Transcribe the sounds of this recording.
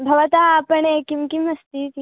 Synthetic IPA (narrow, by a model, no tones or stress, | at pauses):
bʱɐʋat̪aːpəɳekiŋkiməst̪it̪i